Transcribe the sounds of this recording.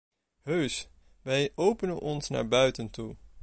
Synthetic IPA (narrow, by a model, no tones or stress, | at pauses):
ɦøɥs | ʋɛjʔowpənənʔɔnsna̰ːɹbœɥtəntu